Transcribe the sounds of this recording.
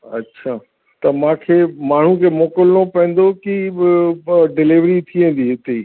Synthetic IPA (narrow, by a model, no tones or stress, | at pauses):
ɐ̰tːɕʰaː | t̪ɐmãkʰeːmaːɳ̤ukʰeːmoːkəlnopɛ̃ːn̆d̪oki | ɖɪlɪʋɾit̪ʰiʋẽːn̆d̪iɦɪt̪ei